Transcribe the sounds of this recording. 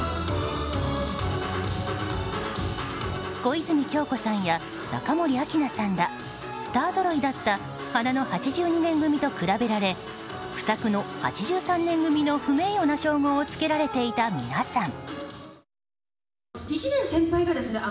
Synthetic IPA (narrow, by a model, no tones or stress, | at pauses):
ɡ̥o̞izɨmʲikʲo̞ːko̞sãɰ̃ja | na̰kamo̞ɾʲiakʲinasãnd̪a | sɨ̥t̪aːzo̞ɾo̞id̪at̪ːa | hanano̞hat͡ɕiʑɨːɲ̟inẽ̞ŋɡɯ̟mʲit̪o̞kɯ̟ɾabe̞ɾaɾe̞ | ɸɯ̟̥sakɯ̟no̞ha̰t͡ɕiʑɨːsãnːẽ̞ŋɡɯ̟mʲino̞ɸɯ̟me̞ːjo̞naɕo̞ːɡo̞ːt͡sɨ̥ke̞ɾaɾe̞t̪e̞it̪amʲḭnasãŋ | it͡ɕinẽɰ̃sẽ̞mpaiɡad̪e̞sɨne